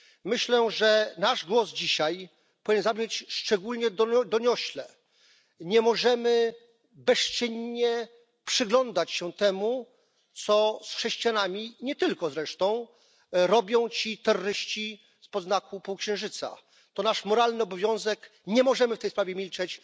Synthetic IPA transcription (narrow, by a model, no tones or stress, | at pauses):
mɘɕlɛʐɛnaʐɡwɔzd͡ʑiɕaj | pɔvʲiɲɛzabɲet͡ɕʂt͡ʂɛɡulɲɛd̪d̪ɔɲɔɕlɛ | ɲɛmɔʐɛmɘ | bɛst͡ʂɘɲɲɛ | pʂɘɡlɔnd̪at͡ɕɕɛt̪ɛmu | t̪sɔsxʂɛɕt͡ɕijanamʲiɲɛt̪ɘlkɔzɾɛʂt̪ɔ̃w̃ | ɾɔbʲjɔ̃w̃t͡ɕit̪ɛɾːɔɾɘɕt͡ɕi | spɔznakupuwkɕɛ̃w̃ʐɘt̪sa̰ | t̪ɔnaʂmɔɾalnɘɔbɔvʲjɔ̃w̃zɛk | ɲɛmɔʐɛmɘft̪ɛjspɾavʲjɛmʲilt͡ʂɛt͡ɕ